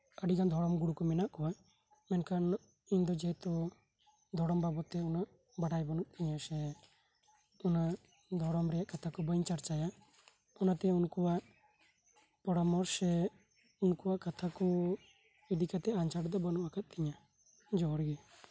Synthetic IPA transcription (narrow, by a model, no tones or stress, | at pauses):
əɖiɡand̪ʱɔɽɔmɡuɽukɔmɛnaʔkɔwa | mɛnkan | iɲd̪ɔd͡ʒɛt̪ɔ | d̪ʱɔɽɔmbabɔt̪ɛɔnaʔ | baɽajbɔnuk̚t̪iɲasɛ | ɔna | d̪ʱɔɽɔmɾɛjaʔkat̪ʰakɔbəɲt͡ʃaɾt͡ʃaja | ɔnat̪ɛunkɔwaʔ | pɔɽamɔɾsɛ | unkuwaʔkat̪ʰakɔ | id̪ikat̪ɛant͡ʃaɽd̪ɔbənuʔakat̪̚ˀt̪iɲa | d͡ʒɔɾɡɛ